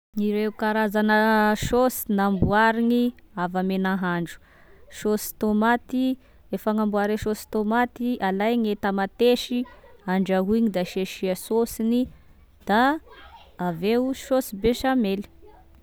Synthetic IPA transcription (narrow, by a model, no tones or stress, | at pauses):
iɾeukaɾazanəʃosi̥nambuaɾiŋiavamenaɦaɳɖ͡ʐu̥ | ʃosi̥t̪omat̪i | efaŋambuaɾeʃosi̥t̪omat̪iʔalajŋet̪amat̪eʃiaɳɖ͡ʐaɦuɲid̪aʃeʃiəsosini | d̪̥aː | vewuʃosibeʃameli̥